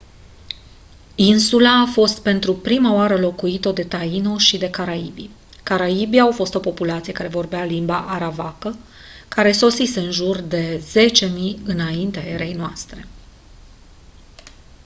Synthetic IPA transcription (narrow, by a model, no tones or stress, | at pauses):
insulaːfo̞st̪̚pe̞nt̪ɾupɾimaoaɾəlo̞kuit̪od̪e̞t̪aino̞ʃid̪e̞kaɾaibi | kaɾaibiawfo̞st̪o̞po̞pulat̪siekaɾe̞vo̞rbealimbaʔaɾavakə | kaɾe̞so̞sise̞ɨnʒurd̪e̞ze̞t͡ʃe̞miɨnaint̪eae̞ɾe̞jnoast̪ɾe̞